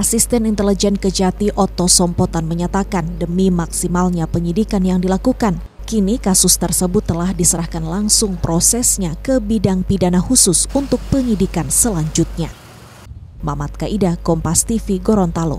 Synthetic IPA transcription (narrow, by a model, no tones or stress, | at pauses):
ʔasist̪ɛnint̪ɛlid͡ʒɛnkəd͡ʒat̪iʔɔt̪osɔmpɔt̪anməɲat̪akandəmimaksimalɲapəɲidikanjaŋdilakukan | kinikasʊst̪ərsəbʊt̪ːəlahdisəɾahkanlaŋsʊŋpɾosɛsɲakəbidaŋpidanahusʊsunt̪ʊk̚pəɲidikansəlaɲd͡ʒʊt̪̚ɲa | mamat̪̚kaʔidakɔmpast̪ifiɡoɾɔnt̪alo̰